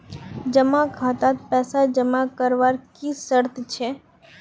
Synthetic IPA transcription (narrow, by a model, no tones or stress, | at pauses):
d͡ʒəmakʰat̪at̪̚pɛsad͡ʒəmakəɾʋaɾkisəɾt̪t͡ʃʰe